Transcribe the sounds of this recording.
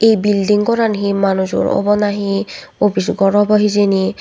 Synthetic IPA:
ejbilɖiŋkɔɾanɦimanud͡ʒo̰ɾɔ̰bɔnaɦiobisɡɔɾɔbɔɦizeni

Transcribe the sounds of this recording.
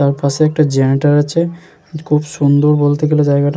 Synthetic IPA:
t̪aɾpaʃeɛk̚ʈad͡ʑɛniʈaɾat͡ɕʰe | kʰubʃund̪oɾbolt̪eɡelod͡ʑajɡaʈ

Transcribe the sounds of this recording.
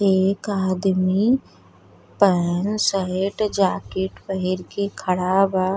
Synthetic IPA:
eːkaːd̪mi | pənsəɦeʈd͡ʒaːkeʈpəɦɪɾkekʰəɽaːba

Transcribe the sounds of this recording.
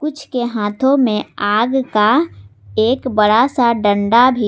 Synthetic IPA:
kʊt͡ʃʰkeɦaːt̪ʰõmẽaːɡka | eːkbəɽasaɖə̃ɳɖabʱi

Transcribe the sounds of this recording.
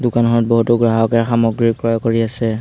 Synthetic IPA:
dʊkanɦɔɹɔt̚bɔɦutuɡɹaɦɔkɛxamɔɡɹiɹkɹɔjɔkoɹiasɛ

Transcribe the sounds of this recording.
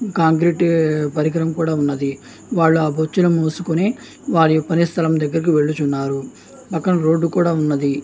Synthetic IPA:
kaːŋk̬ɾiːʈpɐɾiɡɐɾɐmkuːɽaːunːɐd̪i | ʋaːɭːuaːbot͡ʃːulɐmoːsukune̞ː | ʋaːɭijopːɐneːst̪ʰɐlɐmd̪ɐɡːɐɾik̬iʋe̞ɭːut͡ʃunːaːɾu | pɐkːɐnɐɾo̞ːɖːukuːɽaːunːɐd̪i

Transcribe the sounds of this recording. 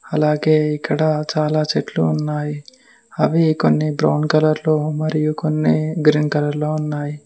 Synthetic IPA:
ɐlaːɡe̞ːikːɐɽɐt͡ʃaːlaːt͡ʃeʈlṵːnːaːji | ɐʋikonːibɾɐwnkɐlɐɾlo̞ːmɐɾijukonːiɡɾinkɐlɐɾlo̞ːunːaːji

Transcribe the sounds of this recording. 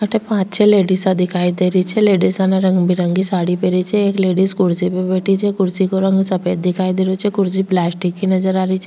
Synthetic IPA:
kʰəʈʰepãːt͡ʃt͡ʃʰeleːɖisad̪ɪkʰaːid̪eːɾəit͡ʃʰɛleːɖisanaɾɐ̃ŋɡbiɾəŋɡisaːɽipeɾiit͡ʃʰɛeːkleːɖiskʊɽsipebeːʈit͡ʃʰɛkʊɾsikoɾə̃ŋɡsɐpeːd̪̚d̪ɪkʰaːid̪eːɾot͡ʃʰɛkʊɾsiplɛːsʈikːinɐd͡ʒəɾaːɾit͡ʃʰɛ

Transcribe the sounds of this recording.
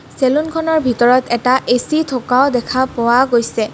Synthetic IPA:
selunkʰɔnɔɹbʱitɔɹɔtʰɛtaʔesitʰokaʊdɛkʰapʊwaɡojsɛ

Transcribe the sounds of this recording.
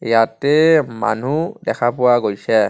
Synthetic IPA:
jatɛma̰nudɛkʰapʊwaɡojsɛ

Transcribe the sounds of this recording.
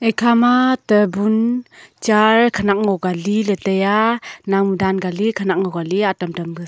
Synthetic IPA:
ekʰamatəbunt͡ʃaɾkʰanak̚ŋɔɡalilətəjanaŋmudanɡalikʰanak̚ŋɔɡaliatamtambɯ

